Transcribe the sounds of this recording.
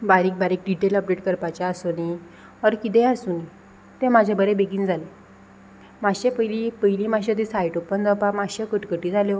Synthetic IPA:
baɾiːk̚baɾiːk̚ɖiʈeləp̚ɖeʈkəɾpat͡ɕaəsoni | əɾkit̪ɛ̃əsuni | t̪ɛ̃mad͡ʑʱabəɾẽbeɡiːnd͡zʱale | maɕẽpəɦilipəɦilimaɕad̪isaiʈopənd͡zapamaɕekəʈkəʈiːd͡zale

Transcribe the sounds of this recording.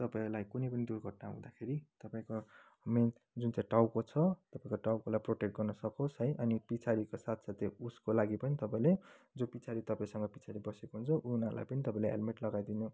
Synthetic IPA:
t̪ʌpaĩlajkunejpʌnid̪uɾɡʱʌʈ̚naɦṵ̃d̪akʰeɾit̪ʌpaĩko | men | d͡zunt͡saj̃ʈawkot͡sʰʌt̪ʌpaĩkoʈawkolajproʈekʈ̚ɡʌrnʌsʌkot͡sɦʌjʔʌnipit͡sʰaɾikosat̪ʰsat̪ʰeuskolaɡipʌnit̪ʌpãĩle | d͡zopit͡sʰaɾit̪ʌpaĩsʌŋɡʌpit͡sʰaɾibʌsekoɦunt͡sʰʌʔunala̰jpʌnit̪ʌpãĩleḛlmeʈlʌɡajd̪inu

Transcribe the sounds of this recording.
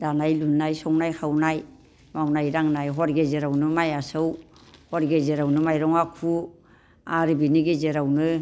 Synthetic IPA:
d̥anajlunːajsɔŋnajkʰawnaj | mawnajɾaŋnajɦɔɾɡezeɾawnɯmajasɯw | hɔɾɡezeɾawnɯmajɾɔŋakʰu | aɾɯbiniɡezeɾawnɯ

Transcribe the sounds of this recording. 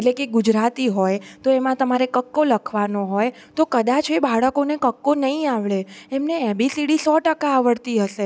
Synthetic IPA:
eʈlekeɡud͡ʒɾat̪iɦojt̪oemãt̪əmaɾekəkːoləkʰʋanoɦoj | t̪okəd̪at͡ʃebaɭəkonekəkːonəɦĩaʋɭeemneebisiɽisɔʈəkaːʋəɽt̪iɦəʃe

